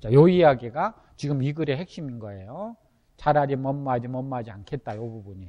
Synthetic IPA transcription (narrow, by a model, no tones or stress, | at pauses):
t͡ɕajoijaɡeɡa | t͡ɕiɡɯmiɡɯɾe̞ɦe̞k̚ɕ͈iminɡʌe̞jo | t͡ɕaɾaɾimʌmːad͡ʑimʌmːad͡ʑiankʰe̞t̚t͈ajobubuɲi